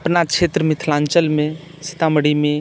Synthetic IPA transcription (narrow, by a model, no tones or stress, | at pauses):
əpnat͡ʃʰet̪ɾəmɪt̪ʰlãnt͡ʃəlmẽ | sɪ̥t̪aməɽimẽ